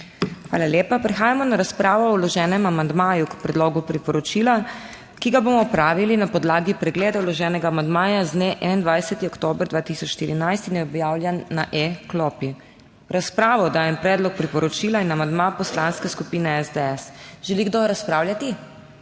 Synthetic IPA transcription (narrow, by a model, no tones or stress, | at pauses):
xʋa̰ːlaljeːpapɾɛxaːjamɔnaɾaspɾaːʋɔːwlɔʒɛːnɛmamand̪maːjukpɾɛd̪loːɡupɾipɔɾɔt͡ʃila | kiɡaboːmɔɔpɾaːʋilinapɔd̪laːɡipɾɛɡleːd̪awlɔʒɛːnɛɡaːmand̪maːjazneʔɛ̰nand̪ʋajsɛt̪iɔkt̪oːbɾd̪ʋaːt̪isɔt͡ʃʃt̪iɾinajst̪injɛɔbjaːwljɛnːaʔeklɔpi | ɾaspɾaːʋɔd̪aːjɛmpɾɛːd̪lɔk̚pɾipɔɾɔt͡ʃiːlainamand̪mapɔslanskɛskupiːnɛɛzd̪eɛsʒ̥ɛliɡd̪oɾaspɾaːwlʲjat̪i